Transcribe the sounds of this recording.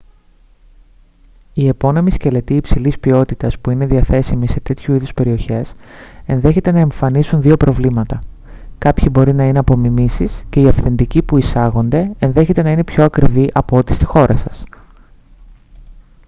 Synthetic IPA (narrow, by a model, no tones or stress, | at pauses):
ie̞po̞ne̞misce̞le̞t̪iːpsilispio̞t̪it̪ɐspuine̞ðiɐθe̞simise̞t̪e̞t̪çuiðuspe̞ɾio̞çe̞se̞nðe̞çe̞t̪e̞nɐe̞ɱfɐnisunðio̞pɾo̞vlimɐt̪ɐ | kɐpçibo̞ɾinɐine̞ɐpo̞mimisisce̞iɐfθe̞nd̪icipuisɐɣo̞nd̪e̞enðe̞çe̞t̪e̞nɐine̞pço̞ɐkɾiviʔɐpoot̪i̥st̪i̥xo̞ɾʔɐsɐs